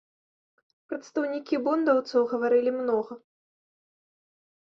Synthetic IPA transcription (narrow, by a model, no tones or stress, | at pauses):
pɾɐt̪st̪ɐwnʲikʲibɔnd̪ɐwt̪sɐwɣɐvaɾɨlʲimnɔɣɐ